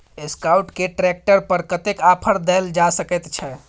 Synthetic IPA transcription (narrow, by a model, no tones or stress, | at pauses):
eskawʈkeʈɾɛk̚ʈəɾpəɾkət̪ekapʰəɾd̪ɛld͡ʒasəkɛt̪t͡ʃʰɛ